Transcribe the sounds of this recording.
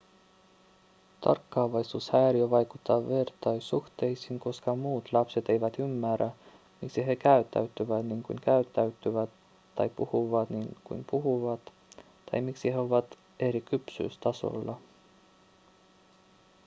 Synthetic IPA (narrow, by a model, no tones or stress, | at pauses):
t̪ɑ̰rkːɑːʋɑjsuːshæːɾiøʋɑjkut̪ːɑːʋe̞rt̪ɑjsuht̪e̞jsiŋko̞skɑmuːt̪lɑpse̞t̪e̞jʋæt̪ymːæræ | miksiɦe̞kæyt̪ːæ̰ɥt̪ːyʋæt̪niːŋkṵjŋkæyt̪ːæyɥt̪ːyʋæt̪ː | ɑ̰jpuhuʋɑt̪niŋkṵjmpuɦuʋɑt̪ | t̪ɑ̰jmiksiheoʋɑt̪ | e̞ɾikypsy̰ːst̪ɑso̞̰lːɑ